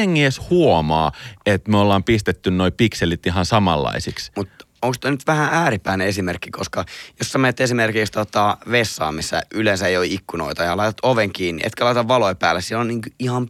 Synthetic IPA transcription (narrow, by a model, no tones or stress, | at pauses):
eŋːeːshuomɑːet̪myøolːɑːmpist̪et̪ːynnoipikselit̪iɦɑnsɑmɑ̰lːɑ̰isiksmut̪ | oŋkst̪onyt̪ʋæhæʔæːɾipːæineesimerkːikoskɑjosːɑmenet̪ːesimerkikst̪ot̪ɑʋesːɑ̰ːmisːæ̰ylensæeioiikːuno̰it̪ɑjɑlɑit̪ɑ̥t̪oʋeŋkiːnːḭʔḛt̪kølɑit̪ɑʋʋɑloipæ̰ːlːessieloniːŋkyihɑm